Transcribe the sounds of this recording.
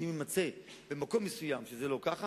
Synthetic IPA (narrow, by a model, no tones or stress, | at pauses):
imemat͡se̞ | bemako̞mːesujamʃezelo̞kaχa